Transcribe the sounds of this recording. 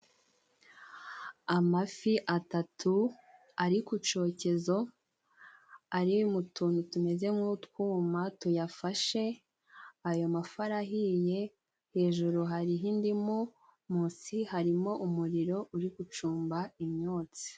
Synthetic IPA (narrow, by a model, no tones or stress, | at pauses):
amafiʔatatʰu | aɾikut͡ʃo̞ːce̞zo̞ | aɾimutʰuːnutume̞ze̞motkuːmatujafaʃe̞ | ajo̞mafaɾaɦije̞ | he̞ːʒuɾuɦaɾiɦiːndimu | muːsihaɾimo̞ʔumuɾiɾo̞ʔuɾikut͡ʃuːmbaimɲoːt͡si̥